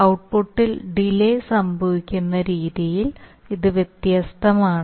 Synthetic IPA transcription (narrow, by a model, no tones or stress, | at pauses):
ɐwʈ̚puʈːilɖilejsɐmbʱɐʋikʲːunːɐɾiːðijil | iðɨʋjet̪jɐst̪ʰɐmaːɳ